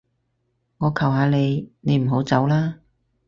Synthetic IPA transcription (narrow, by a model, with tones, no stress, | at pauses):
ŋɔː˨˧kʰɐ˨˩wɦaː˨˧˥ne˨˧jne˨˧jm̩˨˩ɦo˨˥wt͡sɐ˨˥wlaː˥